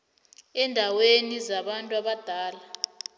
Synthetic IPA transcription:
ɛndʱawenizaɓantʼuaɓad̥ʱaːla

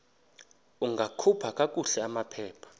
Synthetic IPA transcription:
uŋɡʱakʰupʰakʼakʼuɬɛamapʰɛːpʰḁ

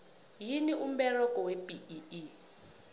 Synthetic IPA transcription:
jiniʔum̩bɛrɔkʼɔwepiii

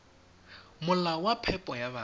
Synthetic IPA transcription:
mʊlawapʰɛpʼɔjaβa

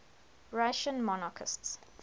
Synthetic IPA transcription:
ɹaʃə̃nmɔnakʰɪ̰sts

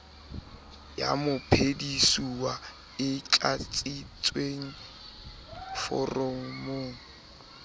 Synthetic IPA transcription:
ja̰mʊpʰedisuwa | ɪt͡ɬʼat͡sʼit͡sʼweŋ̩ | fɔ̰roŋ̩moːŋ̩

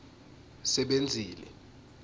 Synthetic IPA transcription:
sɛɓend͡zʱiːlɛ

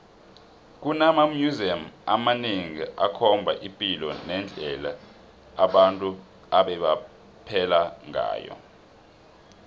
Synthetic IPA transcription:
k̬ʼunamamjuziamamaniŋiʔakʰɔmbʱa̰ʔipʼilɔnɛnd͡ɮʱɛlaː | ɓantʼu | aɓɛɓa | pʰɛlaŋʱa̰ːjɔ̰

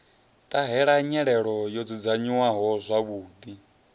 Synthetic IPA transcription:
t̪ʼaɦɛɺaɲɛɺɛɺɔjɔd͡zid͡zaɲiwaɦɔzʷaβuːd̪i

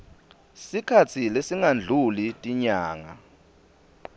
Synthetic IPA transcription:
sikʰat͡sʰilesiŋand͡ɮʱulitʼiɲaːŋa

